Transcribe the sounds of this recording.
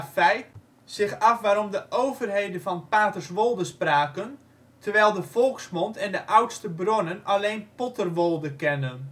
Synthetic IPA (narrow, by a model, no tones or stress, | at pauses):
fɛjt | sɪxɑfʋaːɾɔmdəʔowvərɦejdənvɑnpaːtərsʋolˠdəspraːkən | tʰərʋɛjlˠdəfɔlˠksmontʰɛndəʔawtstəbronənaleːnpɔtərʋolˠdəkɛnən